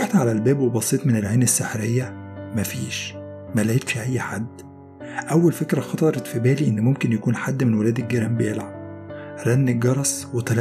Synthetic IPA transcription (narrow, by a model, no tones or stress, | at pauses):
eħt̪ʕalælbæːbwebɑsˤeːt̪ˤmenelʕeːnesːeħɾejːæmæfiːʃ | mælæjet̪ʃiʔæjːħad̪ː | ʔæwːælfekɾæxɑt̪ˤɑɾˤɑt̪fibæːliʔenːmomkenjækuːnħad̪ːmenwelæːd̪eɡeɾæmbelʕa | ɾˤænːeɡɑɾˤɑsˤwet̪æl